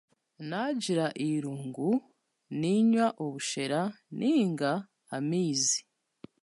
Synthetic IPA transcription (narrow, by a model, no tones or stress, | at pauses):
naɟiɾaʔiɾuːŋɡu | niɲwaʔoβuʃe̞ɾa | nʔiːŋɡaː | miːzi